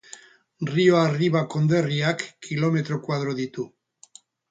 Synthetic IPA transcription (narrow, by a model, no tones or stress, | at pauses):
rioariβako̞nd̪e̞riakːilo̞me̞t̪ɾo̞kwað̞ɾoðit̪u